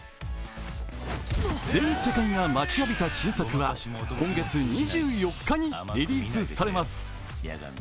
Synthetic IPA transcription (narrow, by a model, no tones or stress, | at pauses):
d͡zzẽ̞nsekãŋːamat͡ɕiabʲit̪aɕiːsakɯ̟βakõ̞ŋɡe̞t͡sɨɲiʑɨːjo̞kːaɲ̟iɾʲiɾʲiːsɨsaɾe̞masɨ̥